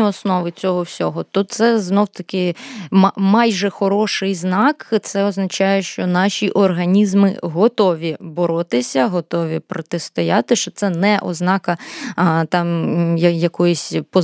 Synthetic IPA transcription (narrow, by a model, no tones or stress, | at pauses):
ɔsnɔʋɪt͡sʲɔɦɔwsʲɔɦɔt̪ɔt̪t̪sɛznɔwt̪ɐkɪmmɑjʒɛxɔɾɔʃɪjznɑkt̪sɛɔznɐt͡ʃɑjɛʃt͡ʃɔnɑʃʲiʔɔrɦɐnʲizmɪ̰ɦɔt̪ɔʋʲibɔɾɔt̪ɪsʲɐɦɔt̪ɔʋʲipɾɔt̪est̪ɔjɑt̪ɪʃt͡ʃɔt̪sɛnɛʔɔ̰znɑkɐ | t̪ɑmjɐjɐkɔjʊsʲpɔ